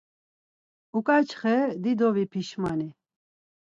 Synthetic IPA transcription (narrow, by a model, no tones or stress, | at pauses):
ukʼat͡ʃʰχɛd̪id̪ɔvipʰiʃmani